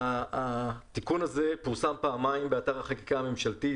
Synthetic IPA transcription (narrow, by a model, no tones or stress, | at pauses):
aat̪ikunaze̞puʁsampaːmaimbeataʁaχaki̥kaame̞mʃalti